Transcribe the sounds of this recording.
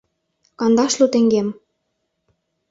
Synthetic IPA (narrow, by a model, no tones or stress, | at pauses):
kɑnd̪ɑʃlut̪eŋɡem